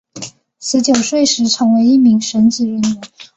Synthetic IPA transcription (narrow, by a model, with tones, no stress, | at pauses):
sɹ̩˧˥t͡ɕjo˨˩ʊʂwe˥˩ɪʂɻ̩˧˥ʈ͡ʂʰɤ˧˥ŋwe˧˥ɪi˥˩mi˧˥ŋʂə˧˥nt͡s̩˨˩ɻə˧˥nu˧˥